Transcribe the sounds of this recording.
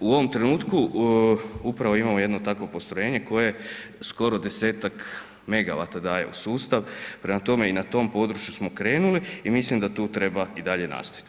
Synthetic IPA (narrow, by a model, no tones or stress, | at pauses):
uo̞ʋo̞mt̪ɾenuːt̪ku | upɾaʋo̞imamoje̞d̪not̪akʋo̞po̞st̪ɾo̞jeːɲe̞ko̞jesko̞ɾod̪e̞seːt̪ak | me̞ɡa̰ʋa̰t̪ad̪aːje̞̰ṵsuːst̪aʋpɾemat̪o̞me̞inat̪o̞ːmpo̞d̪ɾut͡ʃjusmo̞kɾe̞ːnuliimislimd̪at̪uːt̪ɾe̞baid̪aʎe̞na̰ːst̪aʋit̪